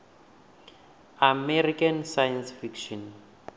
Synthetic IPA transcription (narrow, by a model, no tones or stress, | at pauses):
amɛrikansajansfikʃɔn